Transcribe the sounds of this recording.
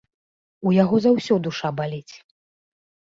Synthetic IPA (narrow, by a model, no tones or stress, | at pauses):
ujaɣɔzawsʲɔd̪uʂabalʲit͡sʲ